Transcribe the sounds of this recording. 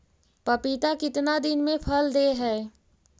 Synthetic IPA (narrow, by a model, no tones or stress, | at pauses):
pəpɪt̪akɪt̪nad̪ɪnmẽpʰəld̪eɦɛː